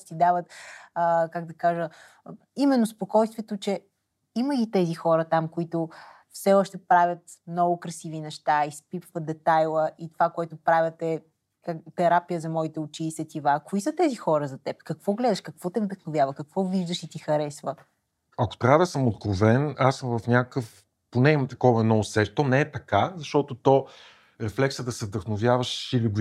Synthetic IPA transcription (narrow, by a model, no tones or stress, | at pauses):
t̪id̪avət̪əkaɡd̪ɐkaʒə | imɛnːospokɔjst̪vɛt̪ot͡ʃɛ | iməɡit̪ɛzixɔɾət̪amkoit̪o | fsɛɔʃt̪ɛpɾavʲət̪mnɔɡokɾɐsivinɛʃt̪aispipvəd̪ɛt̪ajlˠəʔit̪ovakoɛt̪ʊpɾavʲət̪ɛ | kat̪ɛɾapijəzɐmɔit̪ɛʊt͡ʃiːsɛt̪ivakoisət̪ɛzixɔɾəzɐt̪ɛpkɐkvɔɡlɛd̪ɐʃkɐkvɔt̪ɛvd̪əxnovʲjavəkɐkvɔviʒd̪əʃit̪ixɐɾɛsvə | ɐko̥t̪ɾad̪əsəmot̪̚kɾovɛnasəmvɐfnʲakkɤf | ponɛimmt̪ɐkɔvɐɛnɔsɛʃt̪ɔnɛɛt̪ɐkazɐʃt̪ɔt̪ot̪ɔ | ɾɛflɛksəd̪ɐsɛvd̪əxnovjavəʃiliɡ